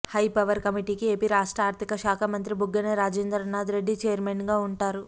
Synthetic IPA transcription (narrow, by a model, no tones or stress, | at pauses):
hɐjpɐʋɐɾkɐmiʈiːkie̞ːpiɾaːʂʈɾaːɾt̪ʰikɐʃaːkʰɐmɐnt̪ɾibʱuɡːɐnɐɾaːd͡ʒeːnd̪ɾɐnaːd̪ɾe̞ɖːit͡ʃejɐɾmenɡaːuɳʈaːɾu